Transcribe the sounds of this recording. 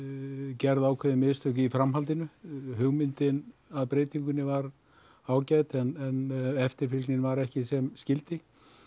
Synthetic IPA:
cɛɾðaːwkʰvɛðɪmɪðst̪ʰʏcɪifɾamɦalt̪ɪnʏɦʏɣmɪnt̪ɪnaðpɾeːjt̪iŋkʏnɪvaɾ | aːwcajt̪ɛnɛnɛft̪ɪɾfɪlknɪnvaɾɛhcɪsɛmscɪlt̪ɪ

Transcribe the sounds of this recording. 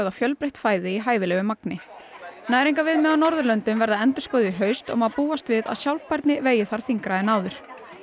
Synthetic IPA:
ðafjœlpɾejht̪faːjðɪiɦaːjðɪlɛɣʏmaknɪ | naːjɾiŋkavɪðmɛðawnɔɾðʏlœnt̪ʏmvɛɾðaɛnt̪ʏ̥skɔːwðɪɦœɥst̪ɔ̰maðpuːast̪vɪða̰ðsjawlpajɾt̪nɪveːjɪθaɾ̥θiŋkɾaɛnaːwðʏɾ̥

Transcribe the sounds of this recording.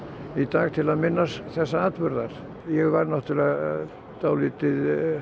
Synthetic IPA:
it̪aːɣt̪ʰɪlamɪnːasθɛsːaaːt̪vʏɾðar̥ | jkarnɔht̪ɪla | t̪aːwlit̪ːɪð

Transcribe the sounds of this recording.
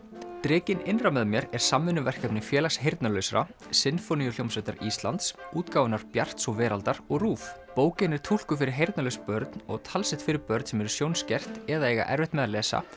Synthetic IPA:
t̪ɾɪːcɪnɪnrawmɛðʏmjɛɾɛɾ̥samːɪnːʏvɛr̥kɛpnɪfjɛːlasɦejɾt̪nalœɥsɾa̰sɪnfɔnijʏljowmsvɛjt̪a̰ɾiːst̪lant̪suːt̪kaːwvɛnaɾ̥pjar̥t̪sɔɣvɛːɾalt̪aɾɔɣruːfpoːwcɪnɛɾ̥t̪ʰul̥kʏfɪɾɪɾ̥ɦejɾt̪nalœjspœɾt̪nɔ̰ɣt̪ʰalsɪht̪fɪɾɪɾpœɾt̪nsɛmɛɾʏ̥sjownscɛr̥t̪ɛðaeːjɣa̰ʔɛ̰ɾvɪht̪mɛðalɛːsa̰

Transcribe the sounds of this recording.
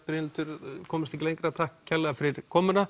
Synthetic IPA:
pɾɪnːt̪ʏɾkʰɔːmɪsɛçcːɪlejŋkɾat̪ʰahkcʰːɛlːɛɣafɪɾɪɾ̥kʰɔːmʏna

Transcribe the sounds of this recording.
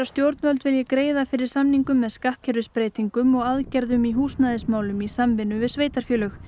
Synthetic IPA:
ast̪jowɾt̪nvœlt̪vɪljɛkɾeːjðafɪɾɪɾ̥samniŋkʏmːɛðskaht̪̚cʰɛɾðʏspɾeːjt̪iŋkʏmɔɣaðcɛɾðʏmiɦuːsnaðɪsmaːwlʏmisamvɪnːʏvɪðsveːjt̪aɾ̥fjœːlʏx

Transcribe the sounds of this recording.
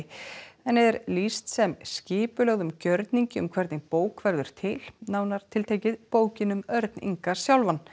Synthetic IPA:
ɛnɛðɛɾlist̪sɛmscɪːpʏlœɣðʏmcœɾt̪niɲcɪʏ̰mkʰvɛɾt̪nɪpoːwkʰvɛɾðʏɾ̥t̪ʰɪl̥nawnaɾ̥t̪ʰɪlt̪ʰejcɪðpoːwcɪnʏmœɾt̪nḭŋkḁsjawlvanː

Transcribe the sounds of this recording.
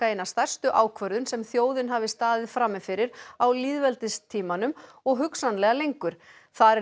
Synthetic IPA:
aenast̪ar̥st̪ʏʔaːwkʰvœɾðʏnsɛmθjoːwðɪnɦaːvɪst̪aːðɪðfɾamːɪfɪɾɪɾawliːðvɛlt̪ɪst̪ʰiːmanʏm | ɔɣɦʏksanlɛɣalejŋkʏɾ̥ | θaɛ

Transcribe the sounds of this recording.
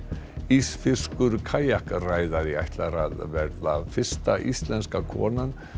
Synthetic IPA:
isfɪskʏɾkʰaːjahkraːjðaɾiajht̪laɾaðvɛɾðafɪr̥st̪aʔḭst̪lɛnskakʰɔ̰ːnan

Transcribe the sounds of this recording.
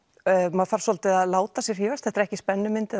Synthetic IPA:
maðfaɾ̥sɔlt̪ɪðaðlaːwt̪asjɛɾ̥hiːvasθɛht̪ɪɾɛhcɪspɛnːʏmɪnt̪ɪ

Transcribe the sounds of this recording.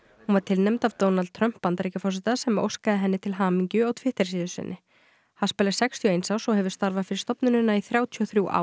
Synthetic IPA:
hunvaɾ̥t̪ʰɪlnɛmt̪avt̪oːwnal̚t̪ʰɾœm̥pːant̪ɾejcafɔsɛt̪asɛmo̰wskaðɪɦɛnːɪt̪ʰɪlɦaːmiɲcʏawt̪ʰvɪht̪ɛɾ̥siːðʏsɪ̰nːɪ | hanspɛːlasɛkst̪ʰiɔejnsaːwsɔhɛvʏɾ̥st̪aɾvaðfɪɾɪɾ̥st̪ɔpnʏnɪnːaiθɾjaːwt̪ʰiɔθɾjuwʔa̰ːw

